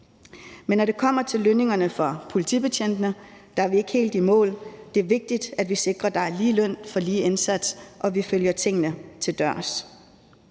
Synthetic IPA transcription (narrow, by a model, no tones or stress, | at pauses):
menːɒɾ̥e̝kʰɒ̽m̰ɐt͡sʰe̝lːøne̝ŋɐnəfɒ̽pʰo̝lit͡sʰḭːb̥e̝t͡ɕʰen̰d̥ənəd̥ɑ̈æɐʋie̝ɡ̥əhe̝̰ːld̥imɔ̰̽ːld̥e̝æɐʋe̝ɡ̥̚d̥id̥æd̥ʋise̝ɡ̥ʁɐd̥ɑ̈æɐliːlœn̰fɒ̽liːe̝nsæd̥sʔɒ̽ʋiføljɐt͡sʰe̝ŋ̰nət͡sʰe̝ld̥ɶɐ̰s